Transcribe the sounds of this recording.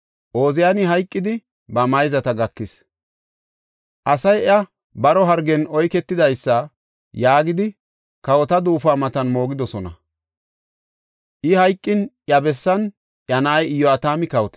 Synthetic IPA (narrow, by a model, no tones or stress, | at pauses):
ʔo̞ːzɪjanɪɦɐjkʼːɪd̪ɪ | bɐmɐjzɐt̪ɐɡɐkːɪs | ʔɐsɐjɐ | bɐɾɔɦɐɾɡɛnɔjkɛt̪ːɪd̪ɐjsːɐ | jaːɡɪd̪ɪ | kɐwɔt̪ɐd̪uːfaːmɐt̪ɐnmo̞ːɡɪd̪ɔsɔnɐ̰ | ʔɪhɐjkʼːɪnʔjɐbɛsːɐn | ʔjɐnɐːjɪjːɔɐt̪aːmɪkɐwɔt̪